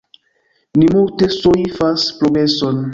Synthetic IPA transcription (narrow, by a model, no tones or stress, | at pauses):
nimulte̞soifaspɾoɡɾe̞so̞n